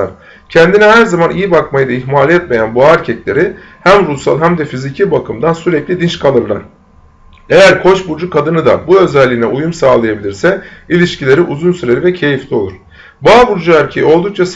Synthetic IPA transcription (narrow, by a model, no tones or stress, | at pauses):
aɾ̥ | cʰɛnd̪inɛhæɾzamanʔijibakmajɯd̪aiçmaːlʲɛt̪̚me̞jænbuaɛɾcʰɛclʲe̞ɾi | hæmɾusalˠɦæmd̪ɛfizicʰibakʰɯmd̪ansyɾɛclʲid̪int͡ʃkʰalˠɯɾlˠa̰ɾ̥ | e̞jæɾkʰo̞t͡ʃbuɾd͡ʒukʰad̪ɯnɯd̪a̰buø̞zɛlʲːiːnɛujumsaːlˠɯjabilʲiɾsɛilʲiʃcʰilʲe̞ɾiʔuzunsyɾe̞ɾivɛcʰe̞jiflʰʲio̞lˠuɾ̥ | baːbuɾd͡ʒuæɾcʰejo̞lˠd̪uk̚t͡ʃʰas